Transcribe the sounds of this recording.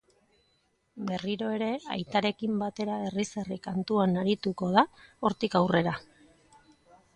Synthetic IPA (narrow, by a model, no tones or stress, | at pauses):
be̞riɾo̞e̞ɾe̞a̰jt̪aɾe̞kimbat̪e̞ɾae̞riserikant̪uanaɾit̪uko̞ð̞ao̞ɾt̪ikawre̞ɾa